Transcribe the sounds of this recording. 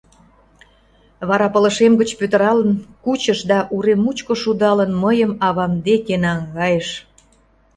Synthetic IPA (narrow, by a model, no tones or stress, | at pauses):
βɑɾɑpələʃemɡət͡ɕpøt̪ə̆ɾɑlənkut͡ɕəʃd̪ɑʔuɾemut͡ɕkoʃud̪ɑlənməjəmɑβɑmd̪ekenɑŋɣɑjəʃ